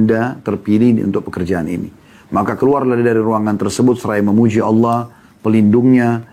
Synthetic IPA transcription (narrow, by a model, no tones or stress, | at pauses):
ndat̪ərpiliṵnt̪ʊk̚pəkərd͡ʒaanḭnḭ | makakəluarladidaɾiɾuaŋant̪ərsəbʊt̪̚səɾaiməmud͡ʒiɑlːɑh | pəlindʊŋɲa